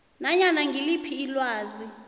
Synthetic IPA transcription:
naɲanaŋɡʱilipʰiːlwaːzi

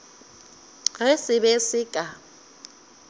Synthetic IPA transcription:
ɣɛsɪbesɪkʼa

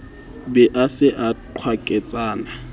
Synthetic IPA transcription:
bɛʔasɪʔaǃʰwakʼɛt͡sʼaːna

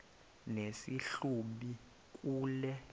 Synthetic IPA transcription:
nesiɬuɓi | k̬ʼuːlɛ

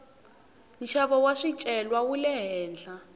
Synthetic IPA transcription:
nʃaβɔwaʂit͡ʃʼɛlwawulɛɦɛːnd͡ɮʱa

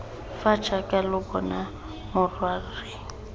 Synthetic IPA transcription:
fat͡ʃʰʼakʼalʊbɔna | mʊrwarɪ

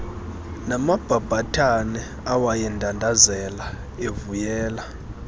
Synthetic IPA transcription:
namab̥ʱab̥ʱatʰanɛ | awajɛndʱandʱazɛla | evujɛːla

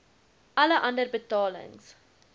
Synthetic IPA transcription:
ʔɐləʔɐ̃ndərbətɔːlɪ̰ŋz̥

